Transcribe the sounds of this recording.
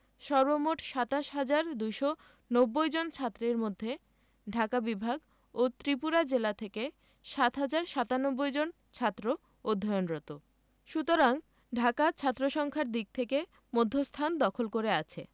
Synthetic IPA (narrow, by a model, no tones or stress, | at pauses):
ʃɔɾbomoʈʃat̪aʃɦad͡ʑaɾd̪ujʃo | nobːojd͡ʑont͡ɕʰat̪ːɾeɾmod̪ʱːe | ɖʱakabibʱaɡ | ot̪ɾipuɾad͡ʑelat̪ʰeke | ʃat̪ɦad͡ʑaɾʃat̪anobːojd͡ʑon | t͡ɕʰat̪ːɾo | od̪ʱːajonɾɔt̪o | ʃut̪oɾaŋ | ɖʱakat͡ɕʰat̪ːɾoʃɔŋkʰaɾd̪ik̚t̪ʰeke | mod̪ʱːost̪ʰand̪ɔkʰolkoɾeat͡ɕʰḛ